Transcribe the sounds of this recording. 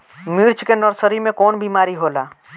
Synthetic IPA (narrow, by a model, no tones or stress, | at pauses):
miɾt͡ʃkenəɾsəɾimẽkoːnbʱimaːɾiɦola